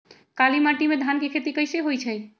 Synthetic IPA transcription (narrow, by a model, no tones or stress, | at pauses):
kalimaʈimed̪ʱankekʰet̪ikəjseɦojt͡ʃʰəj